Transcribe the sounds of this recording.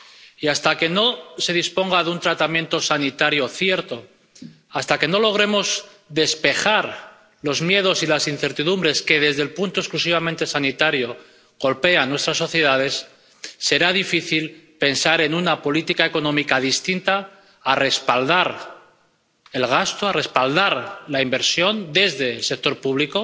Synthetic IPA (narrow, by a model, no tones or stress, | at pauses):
iast̪ake̞no̞se̞ðispo̞ŋɡaðunt̪ɾat̪amje̞nt̪o̞sanit̪aɾjo̞θje̞ɾt̪o̞ | ast̪ake̞no̞lo̞ɣ̞ɾe̞mo̞z | ðe̞spe̞xaɾ | lo̞zmje̞ð̞o̞silasin̟θe̞ɾt̪iðumbɾe̞ske̞ðe̞zðe̞lpunt̪oe̞sklus̬iβ̞amẽnt̪e̞sanit̪aɾjo̞ | ɣ̥o̞lpe̞anːwe̞st̪ɾasːo̞θje̞ðað̞e̞sː | e̞ɾaðifiθilpe̞nsaɾe̞nunapo̞lit̪ikaeko̞nõ̞mikaðist̪int̪aː | re̞spald̪aɾ | e̞lɣ̞ast̪oare̞spald̪aɾlaimbe̞ɾsjo̞nd̪e̞zðe̞ːlse̞k̚t̪o̞ɾpuβliko̞